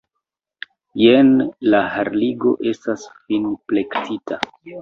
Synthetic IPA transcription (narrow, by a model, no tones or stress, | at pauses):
jenlahaɾliɡo̞̰ʔe̞stasfinple̞ktʰitʰa